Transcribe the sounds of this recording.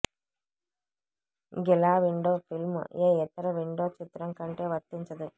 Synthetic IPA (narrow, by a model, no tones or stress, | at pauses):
ɡɛlaːʋiɳɖoːpʰilm̰jeːɛt̪ɐɾɐʋiɳɖoːt͡ʃit̪ːɾɐŋkɐɳʈe̞ːʋɐɾt̪ːiɲt͡ʃɐd̪i